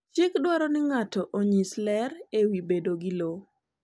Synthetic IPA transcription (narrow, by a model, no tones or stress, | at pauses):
t͡ʃɪkdwɔɾɔnɪŋatɔʔoɲislɛɾewibedoɡɪlo